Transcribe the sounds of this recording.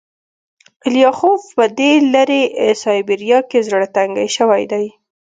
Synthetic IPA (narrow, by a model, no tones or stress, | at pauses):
ɪljɑhovpəd̪elaɾeʔsɑjbeɾijɑkezɽat̪aŋɡa̰jʃəwajd̪aj